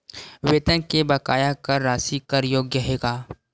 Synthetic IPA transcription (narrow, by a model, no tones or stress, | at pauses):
weːt̪ənkebɐkaːjakɐɾːaːsikɐɾjoːɡjəɦeːɡaː